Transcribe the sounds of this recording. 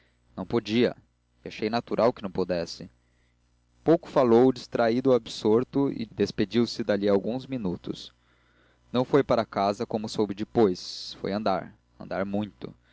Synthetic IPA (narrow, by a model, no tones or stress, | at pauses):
nɐ̃w̃pod͡ʒiɐ̰ | aʃejnat̪uɾʔawkɪnɐ̃w̃pod̪ɛsɪ | powkʊ̥falowʊd͡ʒist̪ɾaid̪ʊabsoɾt̪ʊɪ̰d̪esped͡ʒiwsɪd̪aliawɡũzminut̪ʊ̰s | nɐ̃w̃fojpaɾɐkazɐkõmʊsowbɪd͡ʒɪpojsfo̰jɐ̃nd̪a̰ɾ | ɐ̰̃nd̪aɾmũj̃t̪ʊ̰